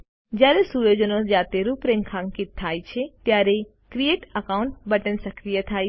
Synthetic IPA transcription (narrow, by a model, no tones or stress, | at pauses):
d͡ʒjaːɾesuːɾjoːd͡ʒənoːsd͡ʒaːt̪eɾupɾẽŋkʰãːŋkɪt̪ʰːaːit͡ʃʰet̪jaːɾe | kɾieːʈəkaːʊ̃ɳʈ̚bəʈənsəkɾijət̪ʰaːi